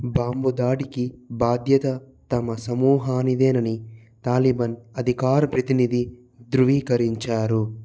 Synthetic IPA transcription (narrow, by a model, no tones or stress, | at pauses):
baːmbud̪aːɽikibaːd̪jɐt̪ɐ | t̪ɐmɐsɐmuːɦaːnid̪eːnɐni | t̪aːlibɐnɐd̪ʱikaːɾɐpɾɐt̪inid̪i | d̪ɾuʋiːkɐɾiɲt͡ʃaːɾu